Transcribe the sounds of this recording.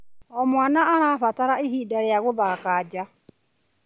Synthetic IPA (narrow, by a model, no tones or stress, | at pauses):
ɔmwaːnaːɾafataɾaiɦiːdaɾjaɣʊðakaːd͡ʒa